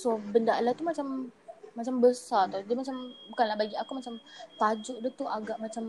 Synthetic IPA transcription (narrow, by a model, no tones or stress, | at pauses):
sobəndalat̪umat͡ʃamːat͡ʃambəsard̪ad͡ʒimat͡ʃambukanlahbaɡiakumat͡ʃamt̪ad͡ʒʊʔdut̪uaɡaʔmat͡ʃam